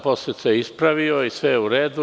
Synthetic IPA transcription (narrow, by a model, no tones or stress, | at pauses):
poset̪seispɾaʋioisʋeuɾeːd̪u